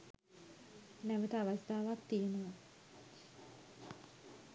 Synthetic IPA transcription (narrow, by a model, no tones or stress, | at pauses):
næʋət̪əːʋasd̪aːʋakt̪ijənoʋə